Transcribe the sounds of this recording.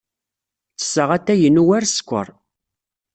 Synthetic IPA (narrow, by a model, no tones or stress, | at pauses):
t͡sə̥sːəʁæt̪ːæjənuwæɾsə̥kʷːə̰ɾˤ